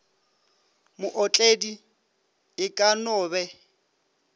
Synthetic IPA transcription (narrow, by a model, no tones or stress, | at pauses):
mʊʔɔt͡ɬʼedi | ɪkʼanʊːbɛ